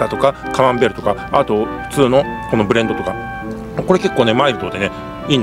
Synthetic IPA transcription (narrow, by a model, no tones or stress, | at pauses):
at̪o̞kakaβãmbe̞ɾɯ̟t̪okaat̪o̞ɸɯ̟̥t͡sɨːno̞ko̞no̞bɯ̟ɾend̪o̞t̪o̞ka | ko̞ɾe̞ke̞kːoːne̞maiɾɯ̟t̪o̞ːd̪ene̞ | iːn